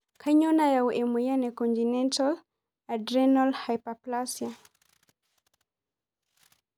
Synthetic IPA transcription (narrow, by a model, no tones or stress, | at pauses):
kʰaɲɔnajauʔɛmwɛjanɛkɔntinɛntal | adɾɛnɔlhajpaplasja